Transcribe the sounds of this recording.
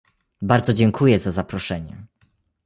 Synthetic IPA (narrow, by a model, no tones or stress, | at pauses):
baɾd̪zɔd͡ʑɛŋkʰujɛzazapɾɔʂɛɲɛ̰